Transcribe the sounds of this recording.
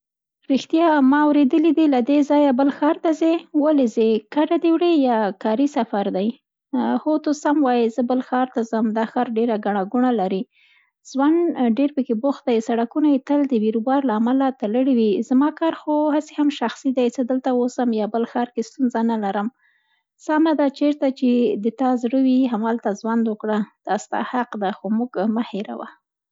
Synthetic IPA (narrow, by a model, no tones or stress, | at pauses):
ɾixt̪jɑmɑːwɾed̪əlid̪ilad̪ezɑjabəlxɑɾt̪azewalezekaɖad̪ewɽejɑkɑɾisafaɾd̪aj | hot̪osamwɑjizəbəlxɑɾt̪azəmd̪ɑxɑɾɖeɾaɡaɳ̃aɡuɳalaɾi | z̥wanɖeɾpəkebʊx̚d̪ajsaɽakunajet̪əld̪əwiɾubɑɾlaːmalat̪aləɽiwizamɑkɑɾxohasehamʃaxsid̪ajt͡səd̪əlt̪awosəmjɑbəlxɑɾkest̪unzanalaɾəm | samad̪at͡ʃeɾt̪at͡ʃed̪ət̪ɑzɽəwiɦamalt̪azwand̪wəkɽəd̪̥ɑst̪ɑ̰haqd̪axomuɡmaheɾa̰wa̰